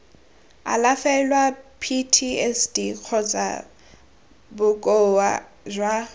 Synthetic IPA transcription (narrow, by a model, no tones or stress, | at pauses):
a̰lafɛlwapʰitʰiɛsdiq͡χʰɔt͡sa̰ | bʊkʼowa | zwa